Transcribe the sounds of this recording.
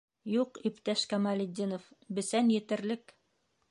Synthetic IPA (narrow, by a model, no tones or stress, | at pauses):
juqipt̪æʃkæmɑlʲɪd̪ʲinofbɘ̆sænjɘ̆t̪ɘ̆ɾlɘk